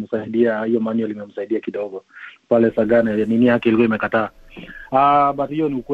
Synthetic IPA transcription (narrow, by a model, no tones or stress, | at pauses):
m̩saiɗiahijɔmanɛlimɛm̩saiɗiakiɗɔɡɔpalɛsaɡananinijakɛilikuɔimɛkataː | aɓathiɔniukw